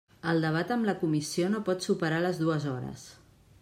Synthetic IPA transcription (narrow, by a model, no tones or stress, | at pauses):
əlˠd̪əβ̞at̪əmləkumisionopɔt̪supəɾaləzðuəzɔɾə̰s